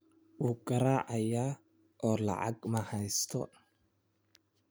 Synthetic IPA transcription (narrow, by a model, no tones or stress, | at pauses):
wuːɡɐɾaːʕɑjaː | ʔɔːlɑ̰ʕɑ̰ɡmɐhɛjst̪ʰɔ